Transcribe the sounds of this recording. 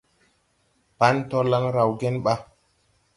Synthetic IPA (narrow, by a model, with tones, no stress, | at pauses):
pa˦nto˦la˦ŋɾa˨wɡe˦nɓa˦